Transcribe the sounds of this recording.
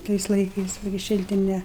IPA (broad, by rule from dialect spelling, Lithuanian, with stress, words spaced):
ˈtɐɪs lˠɐɪˈkɐɪs ˈʋɐ ɡʲɪ ˈʃʲɪlʲtʲɪnʲɛ